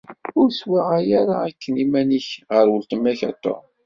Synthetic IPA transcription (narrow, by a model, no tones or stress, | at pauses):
ʊɾswaʁajaɾaːkːənimæniçʁəɾwəlt̪əmːæçɑ̰t̪ˤːo̰